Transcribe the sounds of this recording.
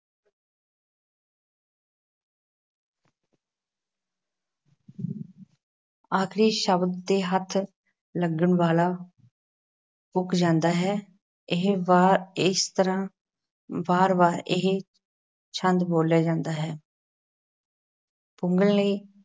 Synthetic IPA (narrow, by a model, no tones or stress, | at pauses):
aːkʰɾiːʃəbd̪d̪eːɦət̪ʰː | ləɡəɳʋaːlaː | ʊkʰd͡ʒãːnd̪aːɦɛː | ɪɦ | ɪst̪əɾãː | baːɾbaːɾɪɦ | t͡ʃʰə̃nd̪boːljaːd͡ʒãːnd̪aːɦɛː | pʊŋɡəlliː